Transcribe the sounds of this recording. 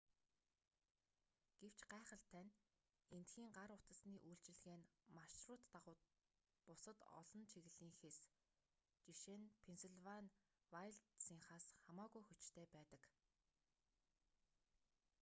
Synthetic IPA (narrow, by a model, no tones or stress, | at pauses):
ɡ̥ew̥t͡ɕɢæːχə̆ɬt̪ʰːænʲ | ent̪xiːŋɢaɾʊt̪ə̆sniːʔujɬt͡ɕɪ̆ɮɣeːnmaʃrʊːt̪ːaʁʊː | pʊsə̆t̪ɔ̰ɮɞ̆nt͡ɕʰiɣɘ̆ɮiːŋxes | t͡ɕiʃenpʰensuɮwan | wajɮtsiŋχaːsχamaːɣujxɵt͡ɕt̪ʰeːpæːt̪ə̆k